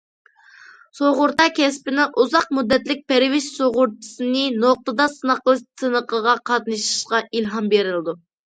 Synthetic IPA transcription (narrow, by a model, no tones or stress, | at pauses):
soʁʊɾt̪ɑkʲʰɛspɪnɪŋʔuzɑq̚mud̪ːɛt̪lɪk̚ʲpɛɾɪwɪʃsoʁʊɾt͡ʃʰi̥sɨnɨnoq̚t̪ɨd̪ɑsɨnəqlˠɨt̪ʰɨnəqəʁɑqʰɑt̪nɨʃi̥ʃqɑilɦɑmbeɾɪlˠɨd̪u